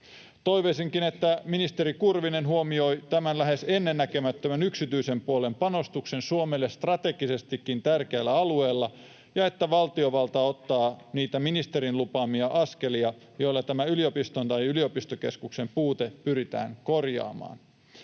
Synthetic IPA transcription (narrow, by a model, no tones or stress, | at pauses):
t̪o̞jʋesiŋkine̞t̪ːæminist̪e̞ɾikurʋine̞nɦuomio̞jt̪æmænlæɦe̞se̞nːe̞nːækømæt̪ːømænyksit̪yise̞mpuole̞mpɑno̞st̪ukse̞nsuomelːest̪rɑt̪e̞ɡise̞st̪ikːint̪ærkeælːæɑlue̞ːlːɑ | jɑe̞t̪ːæʋɑlt̪io̞ʋɑlt̪ɑo̞t̪ːɑːniːt̪æminist̪e̞ɾinlupɑmiɑʔɑske̞liɑ | jo̞jlːɑt̪æmæyliopist̪ont̪ɑjylio̞pist̪oke̞skukse̞mpuːt̪epyɾit̪æ̰ːŋko̞rjɑ̰ːmɑ̰ːn